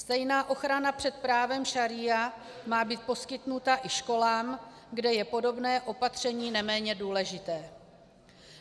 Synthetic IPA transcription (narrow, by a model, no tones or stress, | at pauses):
st̪ɛjnaːʔo̞xɾanapr̝̥ɛt̪̚pɾaːvɛmʃaɾɪa | maːbiːt̪̚po̞skɪt̪nut̪aʔɪʃko̞laːm | ɡdɛjɛpo̞do̞bnɛːʔo̞pat̪r̝̥ɛɲiːnɛmɛːɲɛduːlɛʒɪt̪ɛː